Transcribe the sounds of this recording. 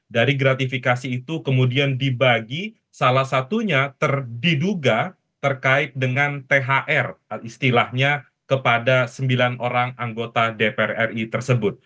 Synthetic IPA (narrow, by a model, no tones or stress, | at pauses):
daɾiɡɾat̪ifikasiːt̪ukəmudiandibaɡi | salahsat̪uɲat̪ərdiduɡa | t̪ərkaɪt̪̚dəŋant̪eɦaʔɛrist̪ilahɲa | kəpadasəmbilanʔoɾaŋaŋɡot̪adepɛrɛrit̪ərsəbʊt̪̚